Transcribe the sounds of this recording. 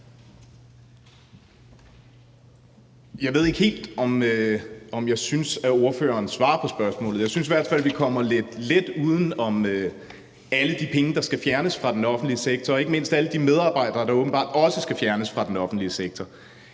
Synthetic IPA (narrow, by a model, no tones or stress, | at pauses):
jɑ̈ɪʋe̝ð̞̰ˠe̝ɡ̥he̝̰ːld̥ɒ̽møɒ̽mjɑ̈ɪsynsæo̝ɐfø̰ːɐːnsʋɑ̰̈ːɐpʰɒ̽sb̥ɶɐsmɔ̰̽ːlð̩ˠjɑ̈ɪsynsiʋæɐ̰d̥fæl̰ʋikʰɒ̽m̰ɐled̥led̥uːð̞ˠən̩ɒ̽mø | æləd̥ipʰeŋəd̥ɑ̈sɡ̥æfjæɐnəsfʁɑ̈d̥enɒ̽fn̩d̥liəseɡ̥̚t͡sʰɒ̽ːe̝ɡ̥əme̝n̰sd̥æləd̥imeð̞ˠɑ̈ːb̥ɑ̈ɪ̰d̥ɐːd̥ɑ̈oːb̥n̩bɑ̰̈ːd̥ɒ̽səsɡ̥æfjæɐnəsfʁɑ̈d̥enɒ̽fn̩d̥liəseɡ̥̚t͡sʰɒ